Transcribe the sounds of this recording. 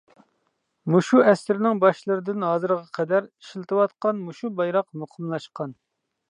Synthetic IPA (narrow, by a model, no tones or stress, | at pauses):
muʃuɛsɪɾɪnɪŋbɑʃlˠɨɾɨd̪ɨnɦɑːzɨɾʁɑqʰɛd̪æɾiʃlt̪ʰɨwɑt̪qɑnmuʃubɑjɾɑqmuqʰəmlˠɑʃqɑn